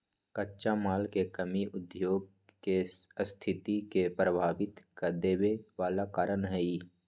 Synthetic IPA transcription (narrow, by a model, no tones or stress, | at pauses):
kətːʃamaːlkekəmiʔʊd̪joːɡ̚ | kest̪ʰɪt̪ikepɾəbʱaːʋɪt̪kad̪eːweʋaːlakaːɾənɦɛi